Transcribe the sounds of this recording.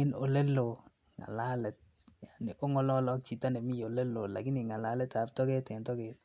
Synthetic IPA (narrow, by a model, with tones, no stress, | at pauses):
ɪ˦no̰˨le˦lo˨ | ŋa̰˨la˦lɛ˨t̚ | ja˨nɪ˨ʔo˦ŋɔ˦lɔ˦lɔ˦k̚t͡ʃi˨ta˦nɛ˨mɪ˦jo˨le˦lo˨la̰˨ɡɪ˦nɪ˨ŋa˨la˦lɛ˦ta˨ptɔ˦ɡe˦tɛ˨ntɔ˦ɡe˦t̚